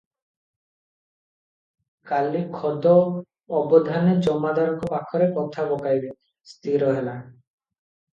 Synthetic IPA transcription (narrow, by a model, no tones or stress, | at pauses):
kalikʰɔd̪ɔː | bɔd̪ʱaned͡ʑɔmad̪aɾɔkopakʰɔɾekɔt̪ʰabɔkajbe | st̪iɾɔɦela